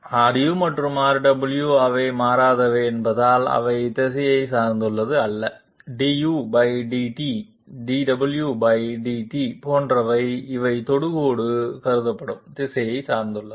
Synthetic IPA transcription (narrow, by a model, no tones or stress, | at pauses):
aːɖɪjumɐʈrɯmaːɾɖɐbɨljuɐʋɐɪmaːɾaːðɐʋeːnbɐðaːlɐ̰ʋɐɪt̪ɛsɐjɐɪsaːɾnd̪ɯɭːɐðɯɐlːɐ | ɖijubɐjɖiʈi | ɖiɖɐbɨljubɐjɖiʈipoːndrɐʋɐɪɪʋɐɪt̪ɔɽɯɣoːɽɯkɐɾɯðɐpːɐɽɯmt̪ɛsɐjɐɪsaːɾnd̪ɯɭːɐ